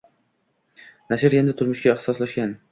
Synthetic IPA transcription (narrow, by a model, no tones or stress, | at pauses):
naʃɪɾjend̪ɪt̪ʰʊɾmʊʃkʲaɪht̪ɪ̥sɒslaʃkʲan